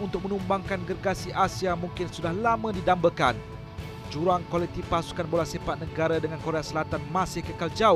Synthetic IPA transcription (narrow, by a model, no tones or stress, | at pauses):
unt̪ʊk̚mə̃numbaŋkanɡərɡasiʔasiamuŋkɪnsudahlamə̃didambəkan | d͡ʒuɾaŋkwalit̪ipasu̥kanbolasefat̪̚nə̃ɡaɾadəŋankoɾeasəlat̪anmãsɪhkəkald͡ʒau